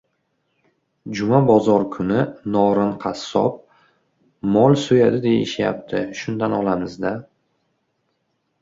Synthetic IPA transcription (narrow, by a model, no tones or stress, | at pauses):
d͡ʒʊmabɒzɒɾkʰʊnɪnɒɾɨnqʰɑsːɒ̰p̚ | mɒlˠsojad̪ɪd̪e̞jɪ̰ʃja̰p̚t̪ʰɪʃʊnd̪anɒlˠamɪzd̪a